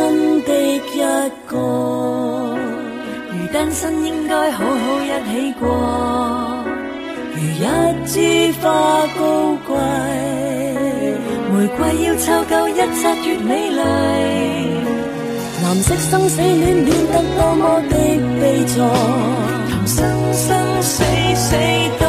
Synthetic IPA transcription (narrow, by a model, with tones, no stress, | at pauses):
ɐ˥nt̪ɪ˥k̚jɐ˥t̚kɔː˧ | jyː˨˩t̪aː˥nsɐ˥njɪ˥ŋkɔː˥jɦo˨˧˥wɦo˨˧˥wjɐ˥t̚ɦe˨˥jkʷɔː˧ | jyː˨˩jɐ˦˥t̚t͡siː˥faː˧ko˥wkʷɐ˧j | muː˨˩jkʷɐ˧jːiː˧wt͡sʰaː˧˥wkɐ˨˧˥wjɐ˥t̚t͡sʰaː˧˥t̚yː˧t̚me˨˥jlɐ˨˧j | laː˨˩msɪ˥k̚sɐ˥ŋse˨˥jliː˨˥nliː˨˧˥nt̪ɐ˧˥k̚ːɔː˧mɔː˨˧˥t̪e˥k̚pe˧jt͡sʰɔː˧ | k̪ʰɐ˨˩ŋsɐ˥ŋsɐ˥ŋ | se˨˥jse˨˥ | t̪